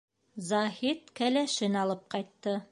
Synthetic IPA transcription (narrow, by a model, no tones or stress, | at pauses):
zɑhit̪kælæʃɘnɑlˠɤp̚qɑjt̪ːɤ